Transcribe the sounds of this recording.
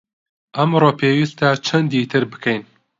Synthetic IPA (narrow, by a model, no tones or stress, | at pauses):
ʔɐmroːpʰeːwist̪ɐt͡ʃʰɐnd̪it̪ʰɨɾbɨ̥kʰejn